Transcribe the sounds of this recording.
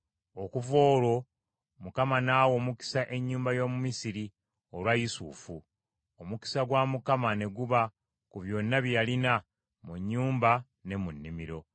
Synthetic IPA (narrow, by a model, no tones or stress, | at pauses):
o̞kuvo̞ːlo̞ | mukamanaːwo̞ːmuki̥saʔe̞ɲːuːmbajo̞ːmumisiɾi | o̞lwajisṵːfu | omuki̥saɡwaːmukamane̞ɡuβa | kuβjo̞nːaβjalina | muɲːuːmba | ne̞munːimiɾo̞